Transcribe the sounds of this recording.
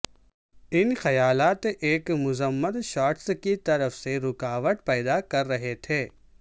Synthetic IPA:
ɪnxɐjaːlaːt̪ʔeːkmʊzəmːəd̪ʃaːʈskit̪ɐɾəfseɾʊkaːʋəʈ̪pɛːd̪akɐɾːɐɦet̪ʰeː

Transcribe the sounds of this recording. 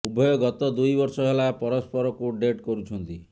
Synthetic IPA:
ubʱɔjɔɡɔt̪ɔd̪ujbɔɾsɔɦelapɔɾɔspɔɾɔkuɖeʈkɔɾut͡ʃʰɔnt̪i

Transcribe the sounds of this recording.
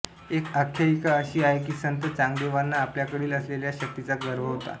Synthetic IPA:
ekəkʰːjaikaəɕiːaɦek̬iːsənt̪ət͡sãŋɡd̪eʋanːaːpljakəɽiːləsleljaɕək̚t̪it͡saɡəɾʋ̤əɦot̪a̰

